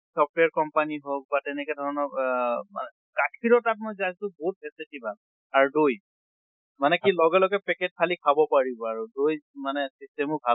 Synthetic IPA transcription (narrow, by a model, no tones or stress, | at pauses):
sɔp̚ʰteaɹkɔmpaniɦok̚batɛnɛkɛdʱɔɹɔnɔma̰nɛ | kakʰiɹɔtap̚mɔjzajsʊ̃bɔɦut̚pʰɛsitibʱal | aɹudoj | manɛkilɔɡɛlɔɡɛpɛket̚kʰalikʰabɔpaɹibɔaɹudojmanɛsistɛmɔbʱa